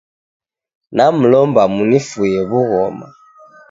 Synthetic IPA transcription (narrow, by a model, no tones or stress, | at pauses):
nam̩lɔmbamunifujɛβuɣɔma̰